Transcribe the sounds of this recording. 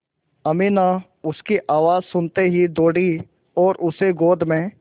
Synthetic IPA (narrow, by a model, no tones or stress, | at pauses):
ɐmina | ʊskiʔaːʋaːzsʊnt̪eɦid̪oːɽi | ɔːɾʔʊseɡoːd̪ʱmẽ